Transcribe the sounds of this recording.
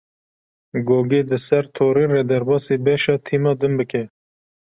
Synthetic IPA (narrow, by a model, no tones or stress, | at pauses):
ɡoːɡeːd̪ɨsɛɾt̪ʰoːɾiːrɛd̪æɾbɑːseːbɛʃɑːt̪ʰiːmɑːd̪ɨmbɨkɛ